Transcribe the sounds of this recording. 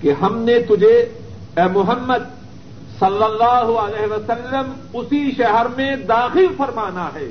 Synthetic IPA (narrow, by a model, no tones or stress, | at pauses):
keɦɐmnet̪ʊd͡ʒʱe | ɛːmʊɦəmːəd̪̚ | sɐlːɐlːaːɦɐlɛːɦʋɐsɐlːəm | ʊsiʃɛɦəɾmẽd̪aːxɪlfɐɾmaːnaɦɛː